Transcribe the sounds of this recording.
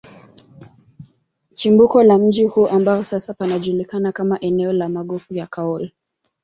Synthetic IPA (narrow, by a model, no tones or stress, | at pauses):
t͡ʃimbukɔlam̩d͡ʒihuːʔambaɔsasapanaʄulikanakamaʔɛnɛɔlamaɠɔfujakaɔli